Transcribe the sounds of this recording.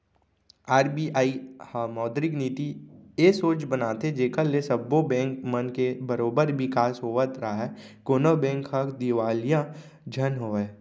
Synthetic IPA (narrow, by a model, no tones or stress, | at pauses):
aːɾbiːaːihmɔːd̪ɾɪkniːt̪ieːsoːt͡ʃbənaːt̪ed͡ʒeːkəlːesəbːobɛ̃ːŋkmənkebəɾoːbəɾbɪkaːsɦoːʋət̪ɾaaɦɛkoːnobɛ̃ːŋkɦəkd̪ɪʋaːlijã | d͡ʒʱənɦoːɛː